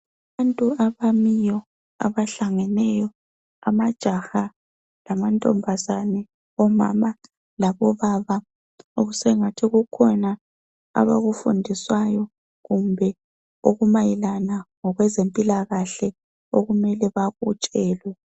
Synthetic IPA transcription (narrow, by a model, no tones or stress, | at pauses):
aβantʼuaβamijɔ | a̰βaɬaŋɛnɛjɔ | amad̥ʒ̥ʱaxa | lamantʼɔmbʱazanɛ | ɔma̰ma | laβɔβaβa | oɣusɛŋatʰiɣukʰɔna | a̰βa̰ɣufundʱiswajɔ | ɣumbʱɛ | oɣumajilanaŋɔɣwɛzempʼilaɣaɬɛ | oɣumɛlɛβaɣut͡ʃʼɛːlwɛ